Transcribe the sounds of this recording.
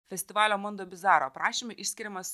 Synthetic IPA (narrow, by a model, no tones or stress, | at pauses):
fʲɛsʲt̪ʲɪʋɑːlʲoːmɔnd̪oːbʲɪzɑːɾoːpɾɑːʃʲɪmʊʔɪʃʲsʲkʲɪɾʲɪmɐs